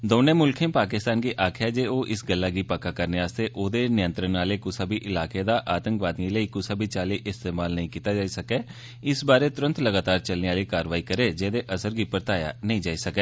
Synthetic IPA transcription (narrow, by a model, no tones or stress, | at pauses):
d̪oːnẽːmʊlkʰẽːpaːkɪst̪aːnɡiːʔaːkʰjaːd͡ʒeːoːʔɪsɡəlːaːɡiːpakaːkəɾneaːst̪eːʔoːd̪eːnɪjə̃nt̪ɾənːaːleːkʊsabiːʔɪlaːkeːd̪aːʔaːt̪ə̃ŋkʋaːd̪ĩləiːkʊsəbʱiːt͡ʃaːliːʔɪst̪eːmaːlnəɦĩːkiːt̪aːd͡ʒaːisəkɛː | ɪsbaːɾeːt̪ʊɾə̃nt̪ləɡaːt̪aːɾt͡ʃəlneːaːliːkaːɾʋaːikəɾeːd͡ʒeːd̪eːʔəsəɾɡiːpəɾt̪aːja̰ːnəɦĩːd͡ʒaːisəkɛː